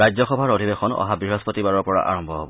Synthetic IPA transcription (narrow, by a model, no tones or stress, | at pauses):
ajd͡ʑzɔxɔbʱaɹod̪ʱibexɔnɔ̰ɦabɹiɦɔspot̪ibaɹɔɹpɔɹa̰ʔa̰ɹɔmbʱɔɦɔ̰bɔ